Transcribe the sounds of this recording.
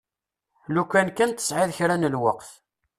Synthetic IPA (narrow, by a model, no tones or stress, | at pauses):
lukʷːænkːənt̪ə̥sʕɪðçɾænəlwəqθ